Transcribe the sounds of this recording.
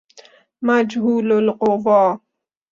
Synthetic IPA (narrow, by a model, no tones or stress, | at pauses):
mad͡ʒɦuːlalqoðɑː